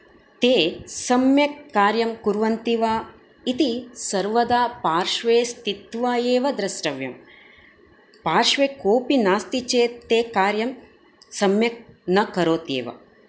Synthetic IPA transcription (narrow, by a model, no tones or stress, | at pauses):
t̪eːsɐmjɐkːaːɾjɐmkuɾʋɐnt̪iʋaː | it̪isɐɾʋɐd̪aːpaːɾʂʋeːst̪it̪ʋaːjeːʋɐd̪ɾɐsɾɐʋjɐm | paːɾʂʋeːkoːpinaːst̪it͡ʃeːt̪eːkaːɾjɐm | sɐmjɐk̚nɐkɐɾoːt̪ḛːʋɐ̰